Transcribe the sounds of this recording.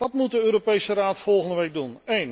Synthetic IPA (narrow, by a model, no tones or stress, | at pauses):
dɑtmut̚dəøːɾopejsəraːtfɔlˠχəndəʋejɡ̚dunejn